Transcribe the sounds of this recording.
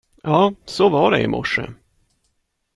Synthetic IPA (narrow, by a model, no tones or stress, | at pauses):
jʔɑːsɔvaɖɛɪmʔɔʂə̰